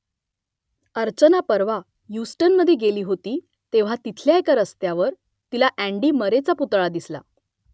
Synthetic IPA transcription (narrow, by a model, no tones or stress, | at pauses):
əɾt͡ɕənapəɾʋa | jusʈənməd̪ʱːjeɡeliːɦot̪iː | t̪eʋ̤at̪it̪ʰljaekaɾəst̪jaʋəɾ | t̪ilaʔæ̃ɳɖiːməɾet͡saput̪ɭad̪isla̰